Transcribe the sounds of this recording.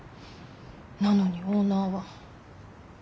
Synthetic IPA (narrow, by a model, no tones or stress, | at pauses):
nanoɲioːnaːβa